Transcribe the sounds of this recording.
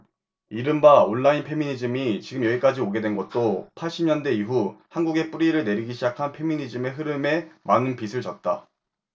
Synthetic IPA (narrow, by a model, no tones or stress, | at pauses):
iɾɯmbaoɭːainpʰe̞miɲid͡ʑɯmit͡ɕiɡɯmjʌiɭk͈ad͡ʑioɡe̞dwe̞nɡʌt̚t͈opʰaɭɕ͈imɲʌndwe̞iɦuhanɡuɡe̞p͈uɾiɾɯɭne̞ɾiɡiɕʰid͡ʑakʰanpʰe̞miɲid͡ʑime̞ɦɯɾɯme̞manɯnpisʰɯɭt͡ɕʌt̚t͈a